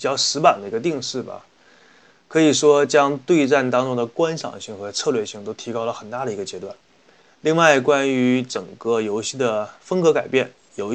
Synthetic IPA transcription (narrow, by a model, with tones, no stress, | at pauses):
t͡ɕjɑ˥˧ʊʂɻ̩˧˥pa˨˩nd̪ə˩i˧˥ɡə˧t̪̬i˥˧ŋʂɻ̩˥˩bɐ̰˩ | kʰɤ˧˥i˨˩ʂwɔ˥t͡ɕjɑ˥ŋt̪we˥˧ɪʈ͡ʂa˥˩nt̪ɑ˥ŋʈ͡ʂʊ˥ŋd̪ə˨˩kwa˥nʂɑ̰˨˩ŋɕi˥˩ŋxɤ˧˥t͡sʰɤ˥˧lɥɛ˥˧ɕi˥˩ŋt̪o˥ʊt̪ʰi˧˥kɑ˥ʊlə˨xə˨˩nt̪a˥˩ɾə˩i˧˥ɡə˧˩t͡ɕjɛ˧˥t̪wa˥˩n | li˥˧ŋwa˥˩ɪkwa˥ny˧˥ʈ͡ʂə˨˩ŋkɤ˥˧jo˧˥ʊɕi˥˩d̪ə˩fə˥ŋkɤ˧˥ka˨˩ɪpjɛ˥˩n | jo˧˨˩ʊ